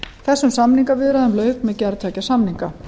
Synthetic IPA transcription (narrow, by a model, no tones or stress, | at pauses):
θɛsːʏmsamniŋkavɪðɾaðɛmlœːɥkmɛðcɛɾt̪ʰɛːcasamniŋka̰